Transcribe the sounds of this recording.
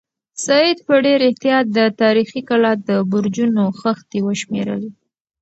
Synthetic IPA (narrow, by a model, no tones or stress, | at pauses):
sɑed̪̚pəɖeɾɪht̪ijɑt̪̚d̪ət̪ɑɾixikalɑt̪̚d̪əbʊɾd͡ʒunoxəxt̪ewəʃmeɾə̰wi